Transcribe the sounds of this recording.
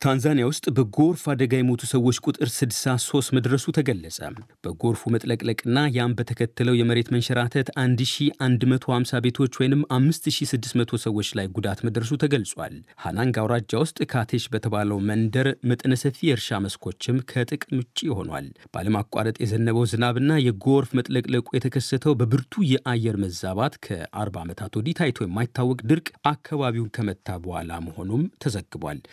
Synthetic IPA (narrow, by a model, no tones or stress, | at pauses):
t̪ʰanzanijawʊst̪ʼbəɡo̞ɾfad̪əɡajɛmo̞t̪ʰusəwːo̞t͡ʃːkʼut̪ʼɨɾsɨd̪saso̞st̪məd̪ɾəsut̪ʰəɡəlːəsʼə̰b̥əɡo̞ɾfumət̪ʼləkʼləkʼɨnːajambət̪ʰəkʰət̪ːɨləwjɛməɾe̞t̪mənʃɛɾat̪ʰət̪and̪ʃiand̪mət̪ʰo̞hamsabe̞t̪ʰo̞t͡ʃːwɔjnɨmamːɨst̪ʃisɨd̪ːɨsmət̪ʰo̞səwːo̞t͡ʃːlajɡud̪at̪məd̪ɾəs̬ut̪ʰəɡəlsʼwa̰lha̰naŋɡawɾad͡ʒːawʊst̪ʼkʰat̪ʰe̞ʃbət̪ʰəβaləwmənd̪əɾmət̪ʼnəsəfijɛɾʃaməskʰo̞t͡ʃːɪmkʰət̪ʼɨkʼmɨt͡ʃʼiho̞̰nwa̰lb̥ʔa̰ləmakʼːa̰ɾət̪ʼjɛzənːəβəwzɨnaβɨnːajɛɡo̞ɾfmət̪ʼləkʼləkʼujɛt̪ʰəkʰəsːət̪ʰəwbəbɨɾt̪ʰujɛʔajɛɾməzaβat̪kʰə̰ʔa̰ɾbamət̪ʰat̪wɔd̪it̪ʰajt̪ʰwojɪmːajɪt̪ʰːawːɔkʼd̪ɨɾkʼʔakʰːaβaβiwnkʰəmət̪ʰːabəha̰la̰məho̞numt̪ʰəzəɡɨbʷa̰l